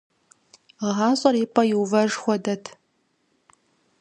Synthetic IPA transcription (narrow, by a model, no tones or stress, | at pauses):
ʁɑːɕʼɐriːpʼɐjɪwvɐʒxʷɔdɐtʰ